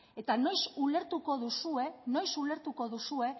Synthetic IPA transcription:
et̪ano̞jsule̞ɾt̪uko̞ðusue̞no̞jsule̞ɾt̪uko̞ðusue̞

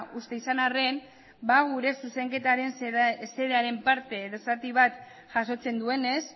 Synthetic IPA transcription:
ust̪e̞isanare̞n | baɣuɾe̞suse̞ŋke̞t̪aɾe̞nse̞ðeaɾe̞mpaɾt̪e̞ːðosat̪iβ̞at̪ | ʝaso̞t͡se̞nd̪ue̞ne̞s

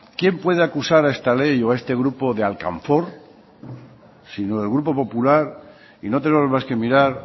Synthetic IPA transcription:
kje̞mpwe̞ð̞eakusaɾae̞st̪ale̞joae̞st̪e̞ɣɾupo̞ðealka̰ɱfo̞ɾ | sinoelɣ̞ɾupo̞po̞pulaɾ | ino̞t̪enemomaske̞miɾaɾ

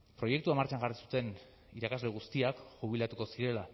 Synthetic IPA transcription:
pɾo̞je̞k̚t̪uamaɾt͡ʃaŋɡarisu̥t̪e̞n | iɾakazle̞ɣ̞ust̪iakʝuβ̞ilat̪uko̞siɾe̞la

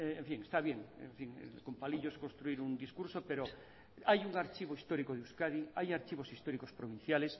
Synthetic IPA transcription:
eɱfiŋest̪aβje̞ŋḛɱfiŋ̰ko̞mpaliʎoeskonst̪ɾuiɾund̪iskuɾso̞pe̞ɾo | ajuŋaɾt͡ʃiβ̞oist̪o̞ɾikoð̞euskaðiajaɾt͡ʃiβ̞o̞sist̪o̞ɾiko̞spɾoβ̞in̟θjale̞s

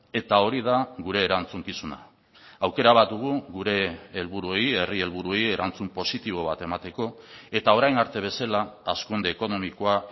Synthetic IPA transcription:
e̞t̪ao̞ɾiðaɣuɾe̞ːɾant͡suŋkisuna̰ | awke̞ɾaβ̞at̪uɣ̞uɣuɾe̞ːlβuɾuoe̞je̞rie̞lβuɾuo̞je̞ɾant͡sumpo̞sit̪iβ̞o̞β̞at̪e̞mat̪e̞ko̞e̞t̪ao̞ɾajnaɾt̪e̞β̞e̞salaaskund̪e̞ːko̞no̞miko̞a

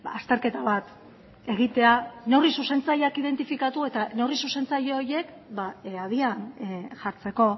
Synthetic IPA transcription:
ast̪e̞ɾke̞t̪aβat̪ | e̞ɣ̞it̪e̞ane̞wrisuse̞nt͡sajakiðe̞nt̪ifikat̪ue̞t̪ane̞risuse̞nt͡sajeoje̞k | baað̞ianʝaɾt͡se̞ko̞

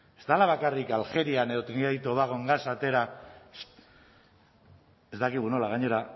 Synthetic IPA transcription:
est̪alaβakarikalxe̞ɾianeðot̪eniajt̪oβaɣ̞oŋɡasat̪e̞ɾa | e̞st̪akiɣ̞uno̞laɣaɲe̞ɾa

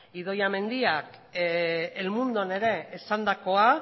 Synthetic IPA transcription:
iðo̞jame̞nd̪iak | elmund̪o̞ne̞ɾe̞ːsand̪ako̞a

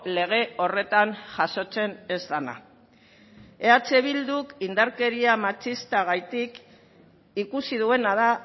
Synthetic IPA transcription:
le̞ɣ̞e̞o̞re̞t̪anʝaso̞t͡se̞ne̞zd̪ana̰ | e̞at͡se̞βild̪ukind̪aɾke̞ɾiamat͡ʃist̪aɣ̞ajt̪ik | ikusið̞ue̞naða

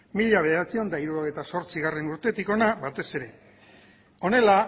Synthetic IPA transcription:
miʎaβe̞ðeɾat͡sio̞nd̪aiɾuɾo̞ɣ̞ejt̪aso̞ɾt͡siɣare̞nuɾt̪e̞t̪iko̞naβat̪e̞se̞ɾe̞ | o̞ne̞la

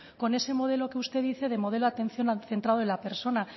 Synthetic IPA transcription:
ko̞ne̞se̞mo̞ð̞e̞lo̞keust̪e̞ðiθe̞ðe̞mo̞ðe̞loat̪e̞n̟θjo̞naθe̞nt̪ɾað̞oenlape̞ɾso̞na

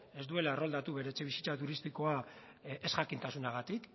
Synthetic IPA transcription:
e̞zd̪ue̞laero̞ld̪at̪uβe̞ɾe̞t͡seβ̞isi̥t͡sat̪uɾist̪iko̞a | e̞sɣakint̪asunaɣ̞at̪ik

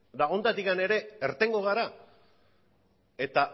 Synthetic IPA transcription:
d̪ao̞nd̪at̪ikane̞ɾe̞ːɾt̪e̞ŋɡo̞ɣ̞aɾa | e̞t̪a

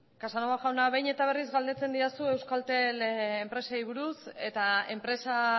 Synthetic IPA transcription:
kasanoaʝawnaβe̞jɲe̞t̪aβ̞e̞rizɣald̪e̞t͡se̞nd̪iasue̞wskalt̪e̞lempɾe̞saiβ̞uɾuse̞t̪ae̞mpɾe̞sa

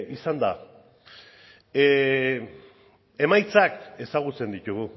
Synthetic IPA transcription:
isand̪a̰ | e̞majt͡sake̞saɣut͡se̞nd̪it̪uɣu

